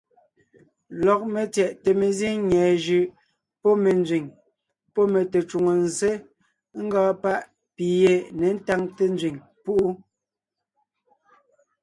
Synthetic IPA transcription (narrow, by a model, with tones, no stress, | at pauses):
lɔ˨k̚me˨t͡sjɛ˨ʔte˨me˨zi˦ŋɲɛː˨ʒʉ˨ʔ | pɔ˦me˨nd͡zɥi˨ŋ | pɔ˦me˨te˨t͡ʃu˨ŋo˨n˨ze˦ | ŋ̩˦ɡaː˦pa˦ʔ | pi˨je˨ne˨˦n̩˦ta˦ŋte˦n˦d͡zɥi˨ŋ | pu˦ʔu˦